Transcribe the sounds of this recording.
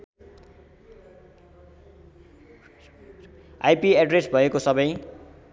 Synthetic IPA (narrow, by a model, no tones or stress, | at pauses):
ajpiaɖresbʱʌekosʌbʌj